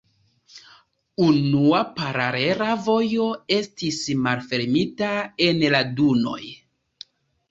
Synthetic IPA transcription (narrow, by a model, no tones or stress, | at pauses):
unuapaɾaɾe̞ɾavo̞jo̞e̞stismalfe̞ɾmitae̞nladuno̞̰j